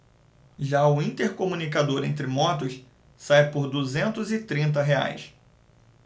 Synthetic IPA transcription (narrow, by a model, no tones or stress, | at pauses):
ʒaʊĩnt̪eɾkomũnikad̪oɾḛ̃nt̪ɾɪmɔt̪ʊs | sajpʊɾd̪uzẽnt̪ʊzɪt̪ɾĩnt̪̬ɐɦea̰js